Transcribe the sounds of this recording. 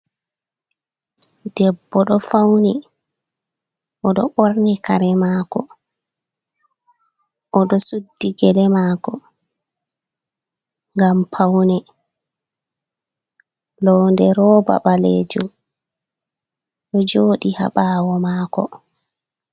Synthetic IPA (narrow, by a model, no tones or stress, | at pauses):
d̥ɛbːɔɗɔfawni | ʔɔɗɔɓoɾnikaɾɛmaːkɔ | ʔɔɗɔsudːiɡɛlɛmaːkɔ | ŋɡampʰawnɛ | lɔːndɛɾɔːba̰ɓalḛːd͡ʒṵm | ɗɔd͡ʒoːɗiha̰ɓaːwɔmaːkɔ̰